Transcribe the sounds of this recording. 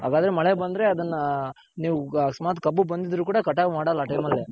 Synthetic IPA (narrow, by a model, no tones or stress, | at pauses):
ɦa̰ːɡaːd̪ɐɾe̞mɐɭebɐnd̪ɐɾe̞ɐd̪ɐnːɐ | niːʋusmaːt̪kɐbːubɐnd̪id̪ɾuːkuːɽɐkɐʈaːʋmaːɽɐlːaːʈɐjmɐlːe